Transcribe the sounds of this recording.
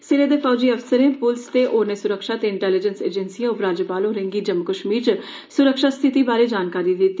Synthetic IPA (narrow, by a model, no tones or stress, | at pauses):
sɪɾeːd̪ekɔːd͡ʒiːəʋsəɾeːpʊlst̪eːʔoːɾneːsʊɾəkʃaːt̪eːɪɳʈɛːlɪd͡ʒənsḛːd͡ʒənsiːɔːfɾaːd͡ʒəpaːlõːɾɪ̃ŋɡiːd͡ʒəmkəʃmiːt͡ʃ | sʊɾəkʃaːst̪ʰɪt̪iːbaːɾeːd͡ʒaːnkaːɾiːd̪ɪt̪ːiː